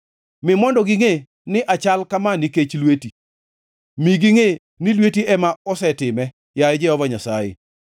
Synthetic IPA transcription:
mɪmɔndɔɡiŋe | nɪʔat͡ʃalkamaniket͡ʃlweti | miɡiŋe | nɪlwetiɛmaɔsɛtɪmɛ | jajɛd͡ʒɛhɔvaɲasajḛ

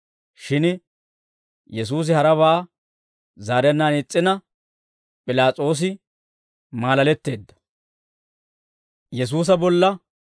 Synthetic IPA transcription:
ʃɪn | jɛs̬uːs̬ɪhɐɾɐβaː | zaːɾɛnːaːnɪt͡sʼːɪnɐ | pʼɪlaːt͡sʼo̞ːs̬ɪ | maːlɐlɛt̪ːe̞ːd̪ːɐ̥ | jɛs̬uːs̬ɐbɔlːɐ

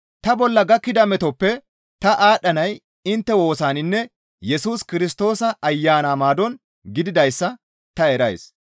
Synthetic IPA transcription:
t̪ɐbɔlːɐɡɐkːɪd̪ɐmɛt̪ɔpːɛ | t̪ɐʔaːɗːɐnɐj | ɪnt̪ːɛwo̞ːsaːnɪnːɛ | jɛsuːskɪɾɪst̪o̞ːsɐʔɐjːaːnaːmaːd̪ɔn | ɡɪd̪ɪd̪ɐjsːɐ | t̪ɐɛɾɐjs

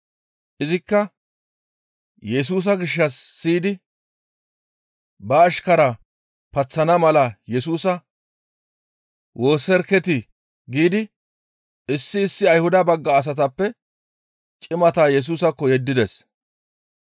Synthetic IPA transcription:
ʔɪzɪkːɐ | jɛs̬uːs̬ɐɡɪʃːɐsːiːd̪ɪ | bɐːʃkɐɾɐ | pɐt͡sːɐnɐmɐlɐjɛsuːsɐ | wʔo̞ːsɛɾkɛt̪ɪ | ɡiːd̪ɪ | ɪsːɪːsːɪɐjhʊd̪ɐbɐɡːɐːs̬ɐt̪̬ɐpːɛ | t͡ʃʼɪmɐt̪aːjɛs̬uːsɐkːɔjɛd̪ːɪd̪ɛs

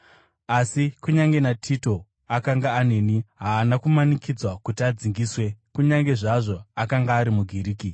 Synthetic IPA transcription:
asikuɲaŋɡe̞natʰito̞ | akaŋɡaːne̞ːniɦaːnakumanikid͡zwakutiad͡ziŋɡiːswe̞kuɲaŋɡe̞ʐaʐo̞akaŋɡaːɾimuɡʱiɾiːki

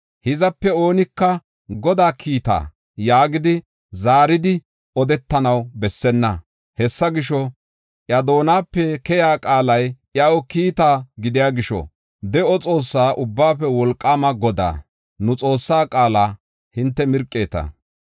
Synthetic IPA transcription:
hɪzɐpːɛo̞ːnɪkːɐ | ɡɔd̪aːkʰiːt̪a̰ː | jaːɡɪd̪ɪ | zaːɾɪd̪ɪ | ɔd̪ɛt̪ːɐnɐwbɛsːɛnːɐ | hɛsːɐɡɪʃɔ | ʔjɐd̪o̞ːnaːpːɛkɛjaːkʼaːlɐjʔɪɐwɔkiːt̪aːɡɪd̪ɪjaːɡɪʃɔ̰ | d̪ɛɔt͡sʼo̞ːsːaːʔʊbːaːfɛwɔlkʼːaːmɐɡɔd̪a̰ː | nʊt͡sʼo̞ːsːaːkʼaːlaː | hɪnt̪ːɛmɪɾkʼːe̞ːt̪ɐ̰

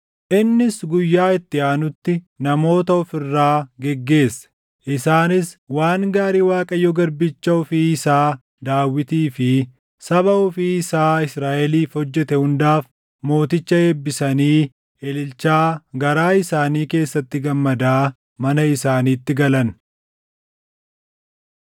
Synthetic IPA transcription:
ʔɪnːɪsɡʊjːaːɪt̪ːɪaːnʊt̪ːɪ | nɐmo̞ːt̪ɐɔfɪrːaːɡɛɡːe̞ːsːɛ̥ | ʔɪsaːnɪswaːŋɡaːɾiːwaːkʼɐjːɔɡɐɾbɪt͡ʃːɐɔfiːɪsaː | d̪aːwːɪt̪iːfɪ | sɐβɐʊfiːɪsaːɪsɾaːʔɛliːfhɔd͡ʒːɛt̪ɛhʊnd̪aːf | mo̞ːt̪ɪt͡ʃːɐeːbːɪsɐniː | ʔɛlɪlt͡ʃːaːɡɐɾaːɪsaːniːke̞ːsːɐt̪ːɪɡɐmːɐd̪aː | mɐnɐɪsaːniːt̪ːɪɡɐlɐn

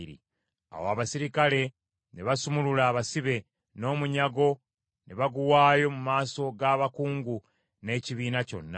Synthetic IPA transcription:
ɾḭ | a̰woaβasiɾikale̞ | neβasumululaːβasiβe̞ | no̞ːmuɲaɡo̞ | neβaɡuwaːjo̞mumaːso̞ɡaːβakuːŋɡu | ne̞ːciβiːnaco̞̰nːa

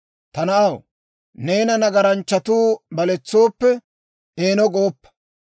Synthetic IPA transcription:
t̪ɐnɐʔɐw | ne̞ːnɐnɐɡɐɾɐnt͡ʃːɐt̪uːbɐlɛt͡sːo̞ːpːɛ | eːnɔɡoːpːɐ̥

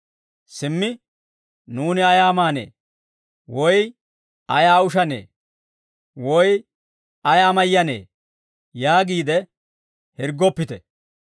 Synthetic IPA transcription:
sɪmːɪ | nuːnɪɐjaːmaːnḛː | wɔj | ɐjaːʊʃɐnḛː | wɔj | ɐjaːmɐjːɐnḛː | jaːɡiːd̪ɛ | hɪɾɡɔpːɪt̪ɛ

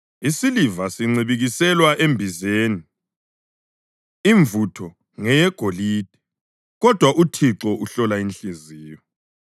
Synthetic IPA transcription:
isilivasiŋ͡ǀiβiɣisɛlwaʔembʱizeːni | iɱvutʰɔ | ŋɛjɛɡ̥ʱolid̥ʱɛ̥ | ɣɔd̥ʱwaʔutʰiǁɔuɬɔlainɬiziːjɔ

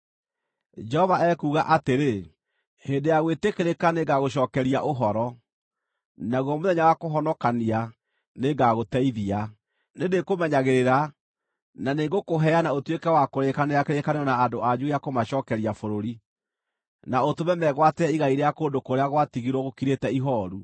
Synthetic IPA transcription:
d͡ʒɛhɔvaɛkuːɣaʔateɾe | heːndejaɣwetekeɾekaneŋɡaɣoɕ̬ɔːkɛɾiaʔoɦɔɾɔ | naɣwɔmoðɛɲawakoɦɔnɔkania | neŋɡaɣotɛiðia | nenekomɛɲaɣeɾeɾa | naneːɡokoɦɛanaotwekɛwakoɾekaneɾakeɾekaneɔnaːdoʔad͡ʒujakomaɕɔːkɛɾiafoɾoɾi | naotomɛmɛɣwatɛiɣaiɾeakoːndokoɾeaɣwatiɣiɾwɔɣokiɾetɛiɦɔːɾu

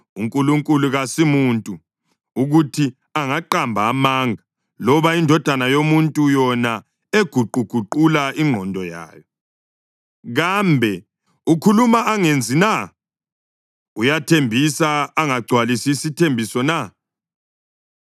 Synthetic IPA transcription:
uŋkʼuluŋkʼuluɣasimuntʼu | uɣutʰi | aŋaǃambʱaːmaŋʱa | lɔβaindʱɔd̥ʱanajomuntʼujɔna | eɡ̥ʱuǃʱuɡ̥ʱuǃulaiŋ͡ǃʱɔndʱɔja̰ːjɔ | ɣambʱɛ | ukʰulumaʔːŋend͡zʱina | ujatʰembʱisaːŋaɡ͡ǀʱwalisisitʰembʱisɔna

